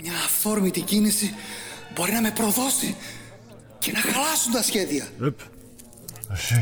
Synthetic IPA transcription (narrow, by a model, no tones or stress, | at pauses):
mɲɐːffo̞ɾmit̪icinisibo̞ɾinɐme̞pɾo̞ðo̞si | ce̞nɐxlɐsunt̪ɐsçe̞ðiɐep | ɐsi